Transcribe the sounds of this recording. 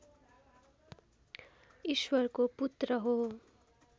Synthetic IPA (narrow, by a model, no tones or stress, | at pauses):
iswʌrkoput̪rʌɦo